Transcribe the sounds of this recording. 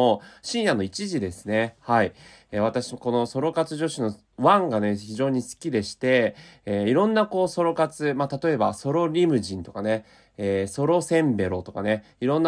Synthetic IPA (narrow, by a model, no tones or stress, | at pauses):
oɕĩɰ̃jãnoit͡ɕiʑid̪e̞sɨne̞hai | eβ̞at̪aɕiko̞no̞so̞ɾo̞kat͡sɨʑo̞ɕino̞ | βãŋɡane̞çiʑo̞ːɲ̟isɨ̥kʲid̪e̞ɕi̥t̪e̞ːiɾõ̞nːako̞ːso̞ɾo̞kat͡sɨmat̪at̪o̞e̞baso̞ɾo̞ɾʲimɯ̟ʑĩnt̪o̞kane | eːso̞ɾo̞sẽ̞mbe̞ɾo̞t̪o̞kane̞ | iɾõ̞nːa